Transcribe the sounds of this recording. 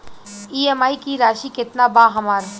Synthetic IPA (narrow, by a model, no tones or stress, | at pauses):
iːemaːikiɾaːʃikɪt̪nabaːɦɐmaːɾ